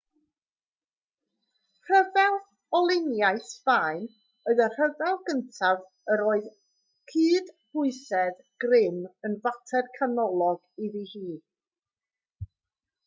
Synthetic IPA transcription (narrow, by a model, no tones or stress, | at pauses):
r̥əvɛlˠ | ɔlˠɪnjaɨθv̥aɨn | oɨðər̥əðɛlˠɡəntʰav | əɾoːɨð | kʰɨːd̥hʊɨsɛð | ɡ̥rɪmənvatʰɛrkʰanɔlˠɔɡiðihiː